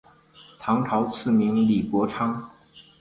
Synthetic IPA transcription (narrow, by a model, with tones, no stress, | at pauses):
t̪ʰɑ˧˥ŋt̪ʰɑ˧˥ʊt͡sʰɹ̩˥˩mi˧˥ŋli˨˩kwɔ˧˥ʈ͡ʂʰɑ˥ŋ